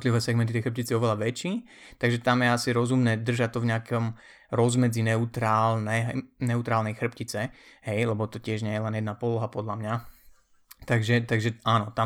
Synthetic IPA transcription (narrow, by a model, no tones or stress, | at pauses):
t̪liʋɛːsɛɡmɛnt̪it̪ɛjxr̩p̚cit͡siɔʋɛlaʋɛt͡ʃiː | t̪aɡʒɛt̪amjɛasiɾɔzumnɛːd̪r̩ʒact̪ɔvɲɛakɔm | ɾɔzmɛd͡zinɛut̪ɾaːlnɛnɛut̪ɾaːlnɛjxr̩pcit͡sɛɦɛjlɛbɔt̪ɔcɪɛʒɲɛjɛlɛnjɛd̪napɔlɔɦapɔd̪lamɲa | t̪aɡʒɛt̪aɡʒɛaːnɔt̪a